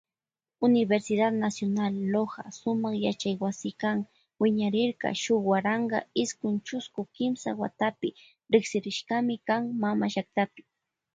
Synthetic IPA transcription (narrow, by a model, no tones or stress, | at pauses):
ʊnɪbeɾsɪd̪ad̪nasjonalːoɢɑ̰sʊmɑχjat͡ʃajwasɪkaŋ | wɪɲaɾɪɾɢɑ̰ʃʊwaɾɑɴɢɑ̰ɪskʊnt͡ʃʊskʊkɪmsa̰wa̰t̪apɪ | ɾɪksɪɾɪʃɢɑmɪkaŋmamaʃak̚t̪apɪ̥